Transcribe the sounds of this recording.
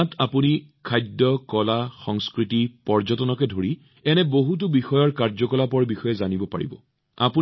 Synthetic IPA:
tʰapunikʰajdɔkɔlaxɔŋskɹitipɔɹzɔtɔnɔkɛdʱoɹi | ɛnɛboɦut̬ʊbixɔjɔɹkaɹzɔkɔlapɔɹbixɔjɛzanibɔpa̰ɹḭbɔ̰ | a̰pu

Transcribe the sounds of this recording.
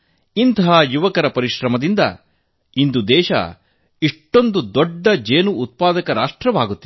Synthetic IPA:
int̪ɐɦaːjuʋɐkɐɾɐpɐɾiʃɾɐmɐd̪ind̪ɐ̰ | ind̪ud̪ɛːʃɐ̰ | iʂʈːo̞nd̪ud̪ɔɖːɐd͡ʒeːnuːt̪̚paːd̪ɐkɐɾaːʂʈɾɐʋaːɡut̪ːi

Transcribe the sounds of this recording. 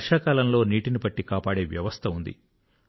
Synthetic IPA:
ʂaːkaːlɐmlo̞ːniːʈinibɐʈːikaːpaːɽe̞ːʋjɐʋɐst̪ʰɐund̪ḭ

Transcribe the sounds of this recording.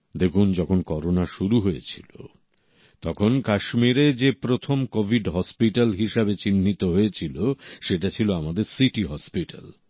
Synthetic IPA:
d̪ekʰund͡ʑɔkʰonkɔɾonaʃuɾuɦojet͡ɕʰilo̰ | t̪ɔkʰonkaʃmiɾed͡ʑepɾot̪ʰomkobʱiɖɦɔspiʈalɦiʃabet͡ɕinːit̪oɦoet͡ɕʰiloʃeʈat͡ɕʰiloamad̪eɾsiʈiɦɔspiʈa̰l

